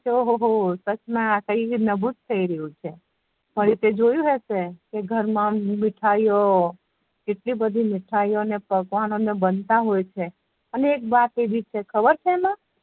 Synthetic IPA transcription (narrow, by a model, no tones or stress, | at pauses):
t͡ʃoɦoɦosət͡ʃmãakəiinəbut̪t̪ʰːəiɾəɦũt͡ʃʰe | pəɾit̪ed͡ʒojũɦesekeɡʱəɾmãmɪʈʰajo | keʈlibəd̪ʱimɪʈʰajonepəɡʋanonebənt̪aɦojt͡ʃʰe | əneːk̚bat̪eʋit͡ʃʰekʰəbəɾt͡ʃʰemã